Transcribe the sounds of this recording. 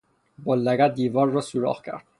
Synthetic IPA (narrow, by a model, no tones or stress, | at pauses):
bolːæɡæt̪̚d̪iːvɒːɾːɒsuɾɒ̰ːxcʰæ̰ɾd̪̥̚